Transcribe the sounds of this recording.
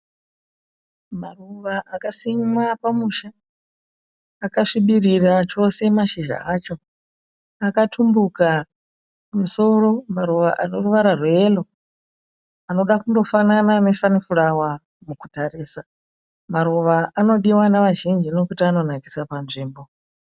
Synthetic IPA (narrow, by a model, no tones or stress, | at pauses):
maruʋaʔakasimwapamuʃa | kaʂiɓirirat͡ʃo̞se̞maʃiʒa̰at͡ʃo̞ | akatʰumbuka | pamuso̞ro̞maɾuʋa̰ʔano̞ruʋaɾarweelo̞ | ano̞ɗakundo̞fanananesanifurawa | mukutariːsa | maɾuʋaano̞ɗiwanaʋaʒind͡ʒino̞kutiano̞naki̥sapanʐiːmbo̞